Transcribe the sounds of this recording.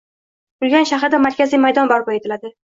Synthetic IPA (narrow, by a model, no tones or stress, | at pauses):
bʊlˠɡʲanʃaχɾɪd̪amaɾkʲʰazijmajd̪ɒnbɒɾbɒjet̪ʰɪlad̪ɪ